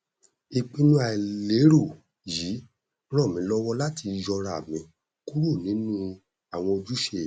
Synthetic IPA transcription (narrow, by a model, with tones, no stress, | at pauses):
i˧k͡pĩ˦nũ˦a˨le˨˦ɾo˦˨ | ji˨˦ | ɾ̃ɔ˦˨mĩ˨˧˦lɔ˦wɔ˦la˦ti˧jɔ˧ɾa˨mĩ˨˧ | ku˦ɾu˦˨nĩ˨˦nũ˦ | a˦˨w̃ɔ̃˧o˧d͡ʒu˦ʃe˦˨